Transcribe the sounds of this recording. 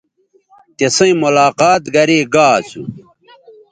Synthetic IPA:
t̪esɐ̃ĩmulaːqaːt̪ɡɐɾeːɡaːsṵ

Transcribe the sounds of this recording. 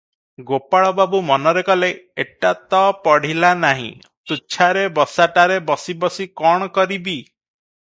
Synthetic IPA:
ɡopaɭɔbabumɔnɔɾekɔleeʈat̪ɔpɔɽ̤ilanaɦḭ̃ | t̪ut͡ʃʰaɾebɔsaʈaɾebɔsibɔsikɔɽ̃ɔkɔɾibi

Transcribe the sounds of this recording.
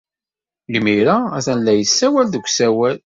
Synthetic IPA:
limiɾaæθænlːæjəsːæwælðəɡʷsæwæl

